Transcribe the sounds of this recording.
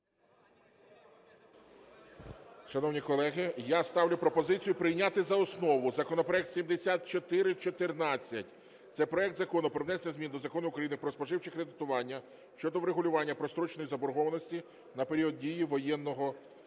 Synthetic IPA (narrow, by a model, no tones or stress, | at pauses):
ʃɐnɔwnʲikɔlˠɛɦɪjast̪ɑwlʲʊpɾɔpɔzɪt͡sʲijʊpɾɪjnʲat̪ɪzɐɔsnɔʋʊzɐkɔnɔpɾɔɛk̚t̪sʲimd̪esʲat̪̚t͡ʃɔt̪ɪɾɪt͡ʃɔt̪ɪrnɑt͡sʲːɐtʲ | t̪sɛpɾɔɛk̚t̪zɐkɔnʊpɾɔʋnɛsenʲɐzmʲind̪ɔzɐkɔnʊːkɾɐjinɪpɾɔspɔʒɪwt͡ʃɪkɾed̪ɪt̪ʊʋɑnʲːɐ | ʃt͡ʃɔd̪ɔʋɾeɦʊlʲʊʋɑnʲːɐpɾɔst̪ɾɔt͡ʃnɔjizɐbɔɾɦɔʋɐnɔsʲtʲi | nɐpeɾʲiɔd̪̚dʲijiʋɔjɛnːɔɦɔ